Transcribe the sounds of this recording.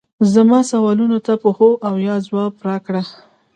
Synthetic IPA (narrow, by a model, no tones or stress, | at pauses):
zamɑsawɑlunot̪apoxoʔawjɑzwɑpɾɑkɽa